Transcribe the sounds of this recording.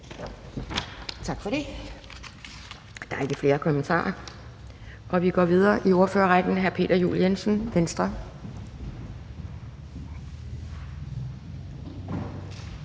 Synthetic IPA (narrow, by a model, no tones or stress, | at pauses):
t͡sʰɑ̈ɡ̥fɒɾ̥e̝ | d̥ɑ̈æɐe̝ɡ̥əfle̝ːɐkʰɒ̽mənt͡sʰɑ̰̈ːɐ | ʔɒ̽ʋiɡ̥ɒ̰ːʋið̞ˠɐːʔio̝ɐfø̰ːɐʁaɡ̥n̩ɦæɐpʰe̝̰ːd̥ɐjṵːljensn̩ʋensd̥ʁɐ